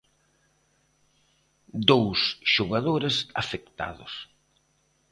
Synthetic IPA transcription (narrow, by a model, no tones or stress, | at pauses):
d̪owsʃoɣaðoɾesa̰fekt̪a̰ðʊ̰s